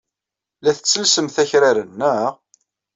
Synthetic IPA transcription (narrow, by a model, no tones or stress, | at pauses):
læθət͡sːəlsəmθæçɾaɾənːəʁ